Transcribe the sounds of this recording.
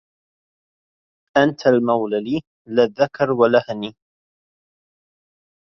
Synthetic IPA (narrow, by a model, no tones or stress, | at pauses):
ʔant̪ʰalmawlaliː | lɪðːakɑɾwalahniː